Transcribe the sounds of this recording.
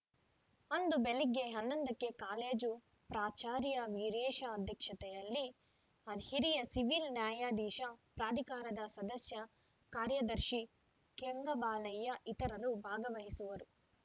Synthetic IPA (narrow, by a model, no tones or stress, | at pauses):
ɐnd̪ubeliɡːeɦɐnːɐnd̪ɐkːe̞kaːleːd͡ʒu | pɾaːt͡ʃaːɾjɐʋiɾɛːʃɐːd̪ʱjɐkʂɐt̪ɛjɐlːi | ɐd̪hiɾijɐsiʋilnjaːjaːd̪iːʃɐpɾaːd̪ʱikaːɾɐd̪ɐsɐd̪ɐsjɐ | kaːɾjɐd̪ɐɾʃi | keŋɡɐbaːlɐjːɐʔit̪ɐɾɐɾubʱaːɡɐʋɐɦisuʋɐɾu